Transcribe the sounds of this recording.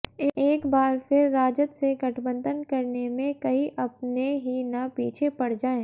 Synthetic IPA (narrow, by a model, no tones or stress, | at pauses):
eːkbaːɾpɪɾːaːd͡ʒət̪seɡɐʈʰbə̃nd̪ənkɐɾnemẽkɐiʔɐpneɦinɐpiːt͡ʃʰepɐɽ̤d͡ʒaːẽː